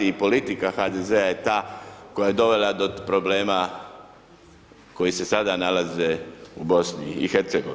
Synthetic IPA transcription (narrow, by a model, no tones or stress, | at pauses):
iipo̞lit̪ikaxad̪ezeajet̪aːko̞jaje̞d̪o̞ʋe̞lad̪o̞pɾo̞bleːma | ko̞jise̞sad̪analaze̞ubo̞snḭːxeɾt̪seɡoʋ